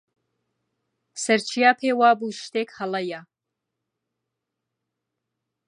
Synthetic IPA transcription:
sɐɾt͡ʃʰijaːpʰeːwaːbuʃt̪eːkhɐlɐja

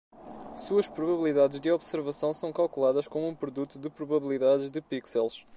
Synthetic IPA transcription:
suɐʃpɾuβɐβilˠiðaðɨʒd̪ɨɔβsɨɾvɐsɐ̃w̃sɐ̃w̃kalˠkulˠaðɐʃkomuũpɾuðut̪uðɨpɾuβɐβilˠiðaðɨʒðɨpiksɛlˠʃ

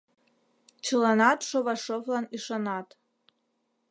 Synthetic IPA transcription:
t͡ʃʰɨlanatʰʼʂovaʂovlaniʂanatʰʼ

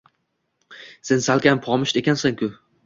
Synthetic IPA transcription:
sensalkʲʰampʰɒmɪʃt̪ekʲansaŋkʰʲʊ

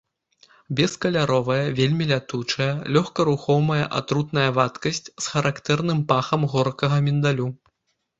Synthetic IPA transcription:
bʲɛskɐlʲaɾɔvɐjɐvʲelʲmʲilʲat̪ut͡ʂɐjɐlʲɔxkɐɾuxɔwmɐjɐ̰ʔa̰t̪ɾut̪nɐjɐvat̪kɐsʲt͡sʲsxɐɾʔakt̪ɛrnɨmpaxɐmɣɔrkɐɣɐmʲind̪alʲu

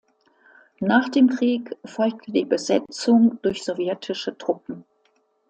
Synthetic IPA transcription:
naːχd̥eːmkʁ̥iːkfɔlk̚tʰədiːbəzɛt͡sʊŋd̥ʊɐçz̥ovjɛtʰɪʃətʁ̥ʊpm̩

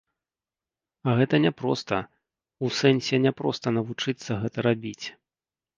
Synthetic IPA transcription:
aɣɛt̪ɐnʲɛpɾɔst̪ɐ | usɛnʲsʲɛnʲɛpɾɔst̪ɐnɐvut͡ʂɨt̪sːɐɣɛt̪ɐɾabʲit͡sʲ

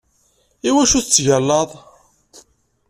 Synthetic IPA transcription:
iwæʃuθt͡sːʝælːɑðˤ

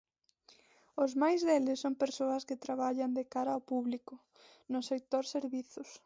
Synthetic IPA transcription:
ʊzmajzðelɪsːoŋpeɾsoɐskɪt̪ɾaβaʎɐnd̪ekaɾɐaawpuβlikʊ | nʊsek̚t̪oɾseɾβiθʊs

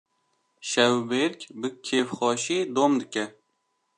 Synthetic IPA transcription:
ʃɛwbeɾkʲbɨkʲʰːefχɑːʃiːd̪omd̪ɨkʲɛ

